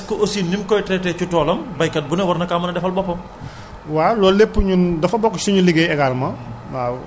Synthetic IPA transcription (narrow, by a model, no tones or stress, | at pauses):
skɔʔosinimkɔjtɾɛtɛt͡ʃutɔːlɐmbɐjkɐt̚bunɐwɐrnɐkamɐnɐdɛfɐlbɔpːɔm | walɔːlepːɲudɐfɐbɔkːsuɲuliɡejɛɡalmɐ | a